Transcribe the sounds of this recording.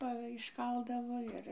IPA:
ˈpɐ ɪʃˈkɐlˠdɐʋoː ˈɪr

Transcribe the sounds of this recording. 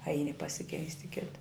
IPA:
ˈɐɪnʲɪ pɐsʲɪˈkʲɛɪsʲtʲ ɪ ˈkʲɪtɐ

